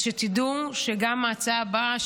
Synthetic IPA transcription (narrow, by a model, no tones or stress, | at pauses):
ʃet̪id̪uʃeɡamːat͡saba